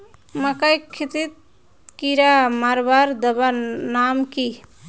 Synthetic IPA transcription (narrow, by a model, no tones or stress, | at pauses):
məkəjkʰːit̪it̪̚ | kiɾamaɾbaɾd̪əbanamki